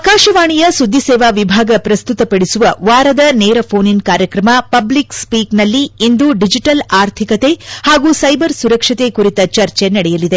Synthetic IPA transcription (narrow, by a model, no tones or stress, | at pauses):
kaːʃɐʋaːɳijɐsud̪ʱːisɛːʋaːʋibʱaːɡɐpɾɐst̪ut̪ɐpɐɽisuʋɐʋaːɾɐd̪ɐneːɾɐpʰoːninkaːɾjɐkɾɐmɐpɐblikspiːknɐlːiind̪uɖid͡ʒiʈɐlaːɾt̪ʰikɐt̪e̞haːɡuːsɐjbɐɾsuɾɐkʂɐt̪e̞kuɾit̪ɐt͡ʃɐɾt͡ʃenɐɽɛjɐlid̪e